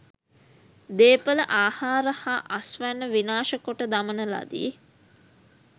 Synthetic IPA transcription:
d̪eːpələʔaːhaːɾəhaʔɐsʋænːəʋinaːʃəkoʈəd̪amənəla̰d̪ḭː

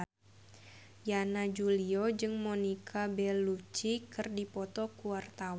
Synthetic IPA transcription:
janad͡ʒuliod͡ʒɨŋmonikʰabɛlːut͡ʃikɨrdipɔt̪ɔkuwart̪awa

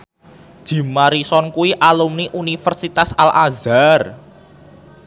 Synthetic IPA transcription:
d̥ʒ̥i̤maɾisɔnkuwiʔalumniʔunifərsit̪asalʔazar

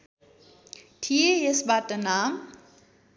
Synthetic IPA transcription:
tʰiejesbatənaːm

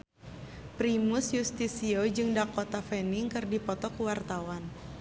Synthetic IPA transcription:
pɾimusjust̪isiod͡ʒɨŋdakot̪afɛniŋkɨrdipɔt̪ɔkuwart̪awan

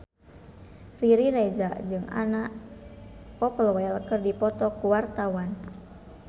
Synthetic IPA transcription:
riɾiɾɛzaʔd͡ʒɨŋʔa̰naʔ | pɔpəlwɛlkɨrdipɔt̪ɔkuwart̪awan

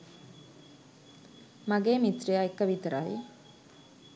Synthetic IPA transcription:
maɡeːmit̪rijaekːəʋit̪əɾaji

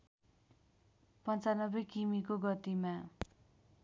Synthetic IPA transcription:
pʌnt͡sanʌbʌjkimik̬oɡʌt̪ima

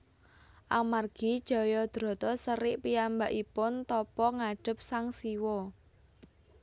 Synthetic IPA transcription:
ʔamarɡ̥i̤d̥ʒ̥ɔ̤jɔd̪̥ɾɔ̤t̪ɔsəɾɪʔpiambaʔipʊnt̪ɔpɔŋaɖ̥ə̤p̚saŋsiwɔ

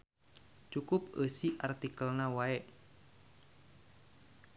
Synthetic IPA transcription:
t͡ʃukʊp̚əsiʔart̪ikəlnawaɛʔ

